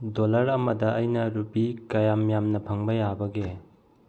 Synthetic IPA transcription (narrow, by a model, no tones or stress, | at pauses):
dolɐɾɐmɐdɐʔːjnɐɾupikɐjamjamnɐpʰɐŋbɐjabɐɡe